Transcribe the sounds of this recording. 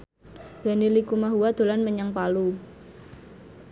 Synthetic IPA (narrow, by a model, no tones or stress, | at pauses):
b̥a̤nilikumaɦuwad̪̥o̤lanməɲaŋpalu